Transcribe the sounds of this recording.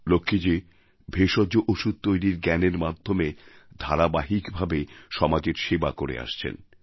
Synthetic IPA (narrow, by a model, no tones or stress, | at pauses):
lokʰːid͡ʑe | bʱeʃɔd͡ʑoʔoʃud̪̚t̪ojɾiɾɡɛneɾmad̪ʱːomed̪ʱaɾabaɦikbʱabeʃɔmad͡ʑeɾʃebakoɾḛa̰ʃt͡ɕʰḛn